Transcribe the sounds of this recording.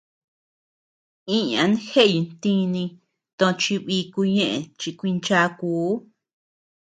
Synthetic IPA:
ĩ˦ɲã̰˧˦nhe˦ʔji˨˧nt̪ĩ˦nĩ˧ | t̪õ˧t͡ʃi˧βi˧˦ku˧ɲẽ˦˧ʔḛ˨t͡ʃi˧kʷi˧nt͡ʃa˧kuː˨˦

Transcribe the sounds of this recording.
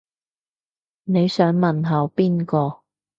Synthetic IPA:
ne˨˧jsœː˨˥ŋmɐ˨nɦɐ˨˧wpiː˥nkɔː˧

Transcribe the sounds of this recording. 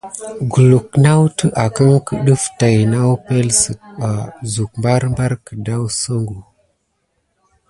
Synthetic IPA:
ɡu˨lu˨k̚na˦wtə˦ʔa˨kə˦ŋkə˦ɗə˦fta˨jna˦wpe˦lsə˨t̚a˨zu˨k̚mba˦ɾmba˦ɾkə˨da˦wsə˦ŋɡu˨

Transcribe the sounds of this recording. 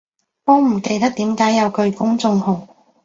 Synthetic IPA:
ɔː˨˧m̩˨˩ke˧jt̪ɐ˥k̚t̪iː˨˥mkaː˨˥jɐ˨˧wkʰɵ˧ɥkʊ˥ŋt͡sʊ˧ŋhʊ˨˩ŋ

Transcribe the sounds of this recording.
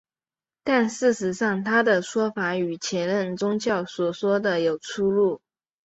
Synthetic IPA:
t̪a˥˧nʂɻ̩˥˩ʂɻ̩˧˥ʂɑ˥˩ŋt̪ʰa˥d̪ə˨ʂwɔ˥fa˧˥y˨˩t͡ɕʰjɛ˧˥nɻə˥˩nt͡sʊ˥ŋt͡ɕjɑ˥˩ʊswɔ˨˩swɔ˥d̪ə˨jo˨˩ʊt͡sʰu˥lu˥˩

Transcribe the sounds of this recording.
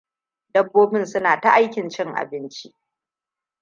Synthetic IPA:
dɐ˦bːoː˦bɪ˦nsʊ˦naː˨ta˦ʔa˦jkʲɪ˨nt͡ʃɪ˦ŋʔa̰˨bɪ˦nt͡ʃi˦ʔ

